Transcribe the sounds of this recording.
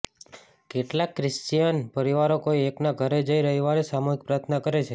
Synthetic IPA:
keʈlakːɾɪst͡ʃijənpəɾiʋaɾokoieknaɡʱəɾed͡ʒəiɾəɦiʋaɾesamuɦik̚pɾat̪ʰnakəɾet͡ʃʰe

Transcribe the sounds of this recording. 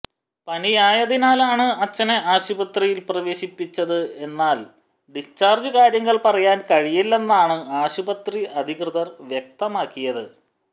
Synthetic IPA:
pɐnijaːjɐðinaːlaːɳɨɐt͡ɕːɐneʔaːɕubɐt̪rijilprɐʋe̞ːɕipːit͡ɕːɐðɨe̞nːaːl | ɖist͡ɕaːrd͡ʑɨkaːɾjɐŋːɐɭpɐrɐjaːnkɐɻijilːe̞nːaːɳɨaːɕubɐt̪riɐd̪ʱiɣrɨðɐrʋjek̚t̪ɐmaːkːijɐðɨ

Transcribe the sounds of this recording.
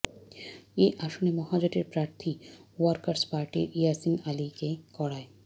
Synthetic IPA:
eʔaʃonemɔɦad͡ʑaʈiɾpɾaɾt̪ʰiwaɾkaɾspaɾʈḭɾijasinalikekɔɽae

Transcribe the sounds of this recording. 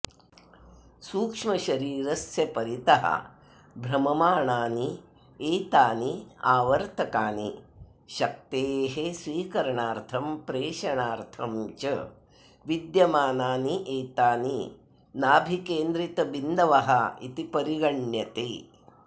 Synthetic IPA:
suːkʂmɐʃɐɾiːɾɐsjɐpɐɾit̪ɐɦɐ̰ | bʱɾɐmɐmaːɳaːni | eːt̪aːniaːʋɐɾt̪ʰɐkaːnḭ | ʃɐk̚t̪eːɦesʋiːkɐɾɐɳaːɾt̪ʰɐmpɾeːʃɐɳaːɾt̪ʰɐmt͡ʃɐ | ʋid̪jɐmaːnaːniʔeːt̪aːni | naːbʱikeːnd̪ɾit̪ɐbind̪ɐʋɐɦɐḭt̪ipɐɾiɡɐɳjɐt̪eː

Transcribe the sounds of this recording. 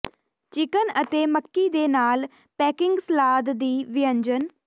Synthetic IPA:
t͡ʃɪkənət̪eːməkːiːd̪eːnaːl | pɛːkɪŋɡslaːd̪d̪iːʋɪjə̃ɲd͡ʒən

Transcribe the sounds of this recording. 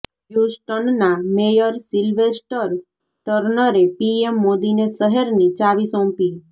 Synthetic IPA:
jusʈənːamejəɾsilʋesʈəɾ | ʈəɾnəɾepiemːod̪inesəɦəɾnit͡ʃaʋisɔ̃mpi

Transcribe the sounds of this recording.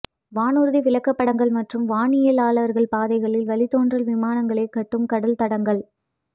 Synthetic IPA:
ʋaːnuɾðiʋɪlɐkːɐpːɐɽɐŋɡɐɭmɐʈrɯmʋaːɳɪjɐlaːɭɐɾɣɐɭpaːðɐɪɣɐɭɪlʋɐɭɪt̪ːoːndrɐlʋɪmaːnɐŋɡɐɭɐɪkːɐʈːɯmkɐɽɐlt̪ɐɽɐŋɡɐɭ

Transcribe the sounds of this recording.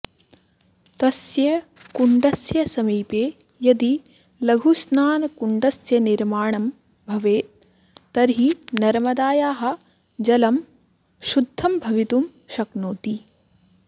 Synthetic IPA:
t̪ɐsjɐkuɳɖɐsjɐsɐmiːpeːjɐd̪i | lɐɡʱusnaːnkuɳɖɐsjɐniɾmaːɳɐm | bʱɐʋeːt̪ː | ɐɾɦinɐɾmɐd̪aːjaːɦɐ̆ | d͡ʒɐlɐm | ʃud̪ʱːɐmbʱɐʋit̪um | ʃɐknoːt̪i

